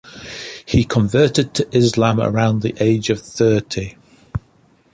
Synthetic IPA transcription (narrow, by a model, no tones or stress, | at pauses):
hikʰə̃ɱvɜˑtɪd̚tʰəʔɪzlãmə̰ɹãʊ̃nðiʔeɪd͡ʒəv̥θɜˑtʰi